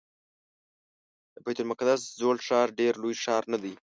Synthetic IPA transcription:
d̪əbajt̪ʊlmʊkad̪aszolʂɑɾɖeɾlojʂɑɾnad̪i

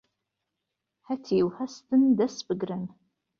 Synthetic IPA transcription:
ħatʰiwħɐstʰɨndɐsbɨɡrɐn

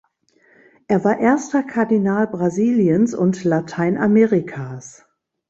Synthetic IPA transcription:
ʔeːɐvaːɐʔeːɐstɐkʰaɐdinaːlbʁaziːljənsʊ̰ntlatʰaɪnʔameːʁikʰas

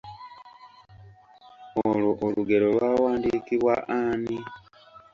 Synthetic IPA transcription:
oloʔoluɡe̞ɾo̞lwawaːndiːkiβwaʔani

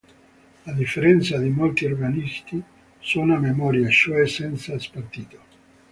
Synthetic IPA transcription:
lad̪ifːeɾɛnt̪sad̪imolt̪iorɡanist̪i | sunamemɔɾjaʃuɛsɛnt̪saspart̪iːt̪o̥

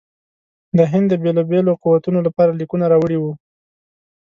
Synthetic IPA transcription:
d̪əɦɪnd̪ːəbelɑbeloquwat̪unolapɑɾalikunaɾɑwəɽiwu

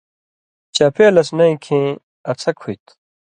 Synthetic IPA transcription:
t͡ɕɐpʰeːlɐsnɐĩkʰẽː | ɐt͡sʰɐkʰːujt̪

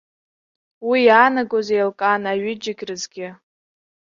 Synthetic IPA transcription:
wijaːnaɡozejlkʼanaɥɪd͡ʒɪɡʲrɨzɡʲɪ

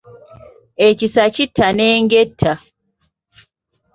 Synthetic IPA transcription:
ecisacitʰːaneːŋɡetʰːa

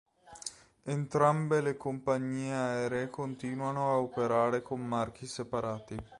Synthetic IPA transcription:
ent̪ɾambelekompaɲːiːeaɛːɾeekont̪iːnwanoaopeɾaːɾekomːark̟isepaɾaːt̪i

